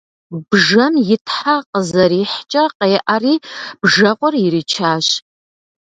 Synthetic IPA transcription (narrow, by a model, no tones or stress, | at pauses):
bʒɐmjɪtʰħaqəzɐɾiːħt͡ʃʼɐqɐjʔariːb̥ʐɐqʷʼɔrɪɾit͡ʃʰaːɕ